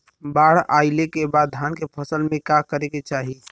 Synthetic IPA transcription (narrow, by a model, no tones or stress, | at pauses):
baɽ̤aɪlekebad̪ʱankepʰəsəlmekakəɾeket͡ʃaɦi